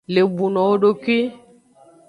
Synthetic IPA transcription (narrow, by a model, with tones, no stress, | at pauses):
le˨bu˨nɔ˨o˦ɖo˦ki˦